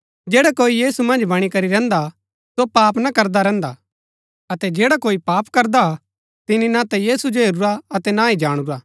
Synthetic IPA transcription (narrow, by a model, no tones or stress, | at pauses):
d͡ʒeːɽakoːijiːsumɐ̃nd͡ʒbɐɽ̃ikɐɾiɾɛ̃ːnd̪a | sopaːpnakɐɾd̪aɾɛ̃ːnd̪a | ɐt̪ɛd͡ʒeːɽakoːipaːpkɐɾd̪a | t̪ɪninãt̪ɛjiːsud͡ʒoɦeɾuɾaɐt̪ɛnaid͡ʒaːɽ̃uɾaː